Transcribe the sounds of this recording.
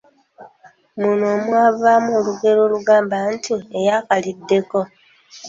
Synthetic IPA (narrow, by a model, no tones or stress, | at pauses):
munoːmwaːvamuoːluɡe̞ɾo̞ːluɡaːmbantʰue̞jakalidːe̞ko̞